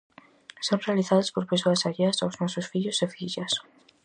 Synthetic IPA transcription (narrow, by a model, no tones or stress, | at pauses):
sonrealiθaðospoɾpesoɐsaʎeɐsawznɔsʊsfiʎʊsefiʎɐs